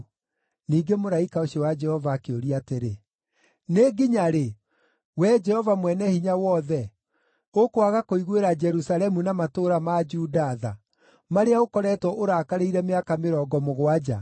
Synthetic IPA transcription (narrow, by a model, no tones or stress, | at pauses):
niːɡemoɾaikaoɕɔwad͡ʒɛhɔvaːkeoɾiateɾe | neɡiɲaɾe | wɛd͡ʒɛhɔvamwɛnɛhiɲawɔðɛ | okowaɣakoiɣweɾad͡ʒɛɾusalɛmunamatoɾamad͡ʒudaða̰ | maɾeaokɔɾɛtwɔʔoɾakaɾeiɾɛmeakameɾɔːɡɔmoɣwad͡ʒa̰